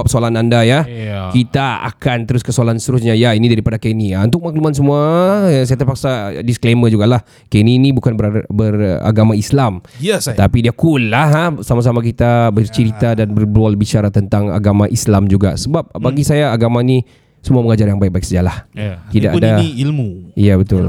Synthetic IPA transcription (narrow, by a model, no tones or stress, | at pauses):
p̚soalanandajakit̪aa̰kant̪əɾʊskəsoalanst̪əɾʊs̬ɲajainidaɾipadakeniaunt̪ʊk̚maklumans̬əmuasajat̪ərpaksadiskleməd͡ʒuɡalah | keninĩbukanəbəra̰ɡamaislamt̪apidiakulːaɦasamas̬amak̬it̪abərt͡ʃəɾit̪adanbərbəlualəbit͡ʃaɾat̪ənt̪aŋa̰ɡamaʔislamd͡ʒuɡa̰səbap̚baɡisajaːɡamani | səmuaməŋad͡ʒarjaŋbaɪk̚bak̚səd͡ʒalaht̪idaʔadaiilmuijabət̪ʊ̰l